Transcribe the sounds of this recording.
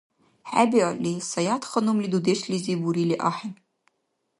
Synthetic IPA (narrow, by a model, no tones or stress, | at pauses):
ħabiʕalisɑjat̪χɐnumlid̪ud̪eʃlizibuɾiliʔaħɪn